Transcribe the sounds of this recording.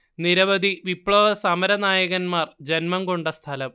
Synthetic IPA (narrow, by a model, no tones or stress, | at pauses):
niɾɐʋɐd̪iʋipɭoːʋɐsɐmɐɾɐnaːjɐɣɐnmaːrd͡ʑenmɐmɡoɳɖɐst̪ʰɐlɐm